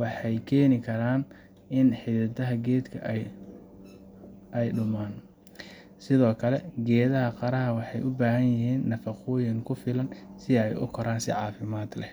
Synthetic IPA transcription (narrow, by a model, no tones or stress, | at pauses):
wɑħɑjkʰɛːnɪkʰɐɾaːn | ɪnħɪɐðɐɦɐɡɛːd̪kʰɐ̰ʔɛj | ʔɛjɖʊmaːn | sɪðɔːkʰɐlɛɡɛːðɐɦɐqɑɾɐɦɐwɑħɑjʔʊbaːhɐnjɪɦiːnːɐfɐqʊːjɐŋkʰʊfɪlɐnsɪɛjʊ̰kʰɔɾaːnsɪ̰ʕɑːfɪmaːd̪lɛ̰